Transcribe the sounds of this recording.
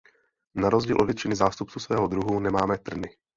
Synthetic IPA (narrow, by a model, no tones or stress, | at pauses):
naɾozɟiːlʔovjɛt̪t͡ʃɪnɪzaːst̪up̚t͡susvɛːɦod̪ɾuɦunɛmaːmɛt̪r̩nɪ